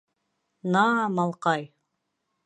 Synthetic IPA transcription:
nɑmɑlˠqɑj

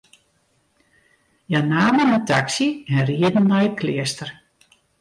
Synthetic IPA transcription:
janaːmənətʰaksiɛnriədn̩ːɔjətkʰlɪəstər

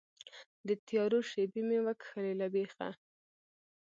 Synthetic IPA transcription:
d̪ət̪jɑɾoʃebimewakxəlelabexa̰

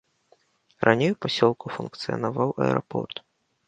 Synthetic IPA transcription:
rʔanʲejupɔsʲɔlˠkʊfunkt̪sɨjɐ̰navawʔɐ̰ɛ̰ɾɔ̰pʰɔ̰rt̪

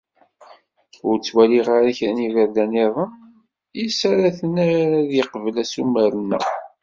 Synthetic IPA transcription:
ʊɾt͡sːwæliʁaɾæçɾænivəɾðæneðˤən | jisaɾaθənaɾaðjiqəvəlæsumːəɾənːæ̰

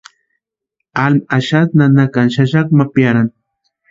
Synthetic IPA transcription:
almaʃat̪nanakanʃaʃakmapjaɾan

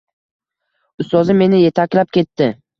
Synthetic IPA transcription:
ʊst̪ɒzɪmːe̞nɪje̞t̪ʰakʲlap̚kʲe̞t̪ːɪ

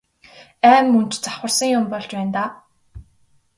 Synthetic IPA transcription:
æːmːɵnt͡ɕt͡sḁχwə̆rsə̆ŋjʊmpɔɮt͡ɕpæːnt̪aː

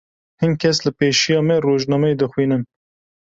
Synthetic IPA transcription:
hɨnkʰɛslɨpeːʃijɑːmɛroːʒnɑːmɛed̪ɨxwiːnɨn

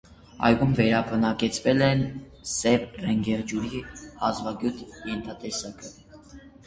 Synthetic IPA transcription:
ɑ̰jɡumvɛɾɑbənɑkɛt͡sʰvɛlɛn | sɛvrɛŋɡɛʁd͡ʒuɾiɑzvɑɡjut̪jɛnt̪ʰɑt̪ɛsɑkə

